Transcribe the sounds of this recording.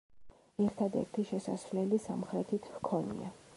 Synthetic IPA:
ɛɾt̪ʰad̪ɛ̰ɾt̪ʰiʃɛsa̰svlɛlisamχɾɛt̪ʰit̪ʰvkʰɔnḭa̰

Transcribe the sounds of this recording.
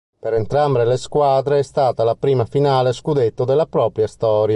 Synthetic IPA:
peɾɛnt̪ɾambɾeleskwaːd̪ɾeɛst̪aːt̪alapɾiːmafinaːleskud̪et̪ːod̪elːapɾɔːpɾjast̪ɔːɾja

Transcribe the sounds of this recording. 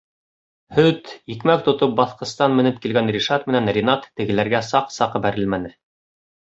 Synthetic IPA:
hɵt̪jikmæk̚t̪ŏt̪op̚bɑθqɤ̆st̪ɑnmɘ̆nɘp̚kilɡænrʲiʃɑt̪mɘ̆nænrʲinɑt̪ːɘ̆ɡɘ̆læɾɡæsɑqsɑqbæɾɘlmænɘ

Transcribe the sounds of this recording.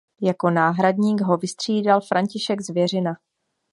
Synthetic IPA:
jako̞naːɦɾadɲiːɡɦo̞vɪst̪r̝̥iːdalfɾaɲcɪʃɛɡzvjɛr̝ɪna

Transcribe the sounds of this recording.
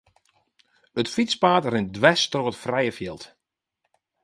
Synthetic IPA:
ətfit͡spaːtrɪn̚dʋɛstroːətfrɛjəfjɪlˠt

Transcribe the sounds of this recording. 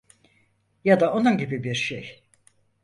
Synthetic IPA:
jad̪aʔo̞nunɟibibiɾʃej

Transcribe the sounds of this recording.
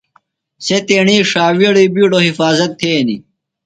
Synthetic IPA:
set̪eːɳiːʂaːwiɽiːbiːɖoːɦifaːzɐt̪ʰːeːnḭ

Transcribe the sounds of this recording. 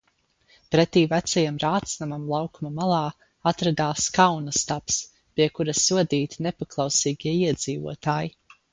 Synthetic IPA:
pɾɛt̪iːvæt̪sajamɾaːt̪snamamlˠɑwkumamalˠaː | at̪ɾad̪aːskawnast̪aps | piɛkuɾasuɔd̪iːt̪inɛpaklˠawsiːɡʲiɛiɛd̪z̥iːvṵɔt̪aːji

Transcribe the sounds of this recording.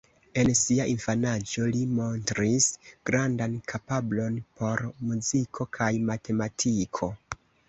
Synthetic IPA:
e̞nsiaʔinfanad͡ʒo̞limo̞ntɾisɡ̥ɾandankʰapablo̞npʰo̞ɾmuzikʰo̞kʰajmatʰe̞matʰikʰo̞

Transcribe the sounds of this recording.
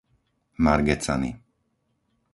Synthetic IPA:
maɾɡɛt͡sa̰nḭ

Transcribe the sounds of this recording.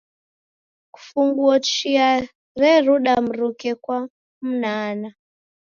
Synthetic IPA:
ku̥fuŋɡuɔt͡ʃia | ɾɛɾuɗam̩ɾukɛkwa | m̩naːna

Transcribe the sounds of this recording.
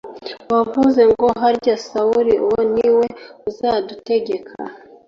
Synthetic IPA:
wavuze̞ŋɡo̞ɦaɾɟasauɾiuwoniwe̞uzadute̞ɟe̞kʰa̰

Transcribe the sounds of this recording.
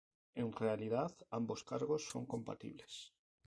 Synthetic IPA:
enrealiðaθambo̞skaɾɣo̞sːo̞̰ŋko̞mpa̰t̪ḭβles

